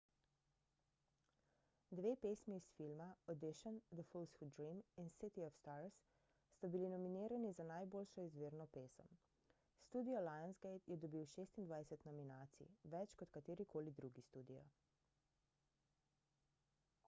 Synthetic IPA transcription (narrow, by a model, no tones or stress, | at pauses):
d̪ʋeːpesmisfilmaɔd̪iʃɔnd̪əfulsxud̪ɾiminsit̪iɔfst̪aɾsː | t̪abilinɔminiːɾanizanajboːlʃɔizʋeːɾnɔpeːsə̰m | st̪ud̪iɔlajansɡejt̪jɛd̪ɔbiwʃeːst̪ind̪ʋajsɛt̪nɔminaːt̪sḭʋɛt͡ʃkɔt̪kat̪eːɾikʰoːlid̪ɾuɡist̪ud̪ijɔ̰